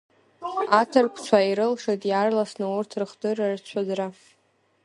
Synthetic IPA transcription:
atʰɨrkʷʰt͡ʃʷʰaiɾɨlʂatʼjarlasnɨurtʰrɨχdɨrart͡ɕʷʰazra

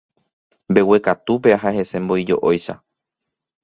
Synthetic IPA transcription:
mbe̞we̞kat̪up̬e̞aɦahe̞sẽ̞mbo̞id͡ʒo̞̰ʔojʃa̰

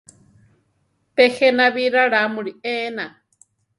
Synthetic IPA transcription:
pehenaβiɾaɺamuɾieːna

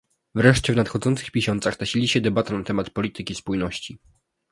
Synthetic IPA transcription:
vɾɛʂt͡ɕɛvnat̪xɔd̪zɔnt̪sɘ̥xpʲeɕɔnt̪saxt̪aɕilʲiɕɛd̪ɛbat̪anat̪ɛmat̪pɔlʲit̪ɘkʲispujnɔɕt͡ɕi

